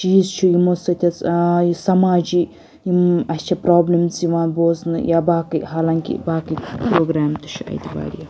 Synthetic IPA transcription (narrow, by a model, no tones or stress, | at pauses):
t͡ʃiːzt͡ʃʰujimosɐt̪ʰʲɐt͡sjisɐmaːd͡ʒi | jimɐst͡ʃʰɐpɾaːblimt͡siʋãːnboːznɨ̰jabaːkɨjɦaːlaŋkʲḭbaːkipɾoːɡɾaːmt̪ɨ̥t͡ʃʰuɐ̰jt̪iba̰ːɾija